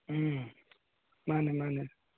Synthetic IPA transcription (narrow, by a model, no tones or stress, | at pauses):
manɛmanɛ